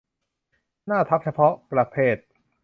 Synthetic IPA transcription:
naː˥˩t̪ʰa˦˥p̚t͡ɕʰa˧pʰɔ˦˥ʔpɾa˧pʰeː˥˩t̪̚

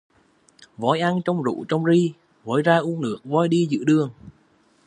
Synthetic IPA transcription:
vɔ˨˦jʔa˧nt͡ɕɔ˧wŋ͡mzṵ˧˨t͡ɕɔ˧wŋ͡mzi˧ | vɔː˨˦jzaː˧ʔu˧ənnɨ̰˧˩əŋ̚vɔ˨˦jɗi˧zɨ̰˧˨ɗɨ˧əŋ

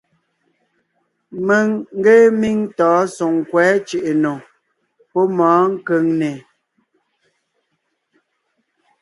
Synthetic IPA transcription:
mə˨ŋŋ̩˦ɡe˦mi˦ŋtɔː˨˦so˨ŋ˨kwɛː˨˦t͡ʃe˨ʔe˨no˨ | pɔ˦mɔ̃ː˨˦ŋ̩˦kə˨˦ŋne˨

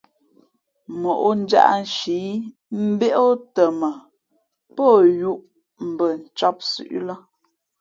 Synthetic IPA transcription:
mo˨ʔo˦n̩˦d͡ʒa̰˦ʔn̩˨ʃi˨˦ | m̩˦be˦ʔo˦tə˨mə˨ | po˦˨ju˦ʔ | m̩˨bə˨n̩˨t͡ʃɔ˦p̚sʉ̰˦ʔlə˦

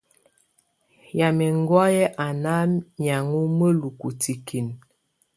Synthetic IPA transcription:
ja˨mɛ˨ŋ˦ɡwɔ˦jɛ˦ʔa˨na˦ɲa˨ŋu˦mə˦lu˨ku˨ti˨ki˨n

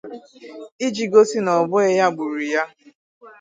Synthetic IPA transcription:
i˦d͡ʒi˨ɡo˦si˦nɔ˨bʊ˦e˦ja˦ɡ͡bu˨ɾi˨ja˦

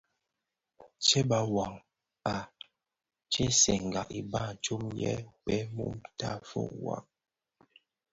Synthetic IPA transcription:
t͡ʃɛ˦ba˨wa˨ŋ | a˨ | t͡ʃɛ˦sɛ˨ŋ̩˨ɡa˨ki˨ba˦˨t͡ʃu˦mjɛ̰˦k͡pɛ˦mṵ˦mta˦˨fo̰˦˨ʔwa̰˨ŋ

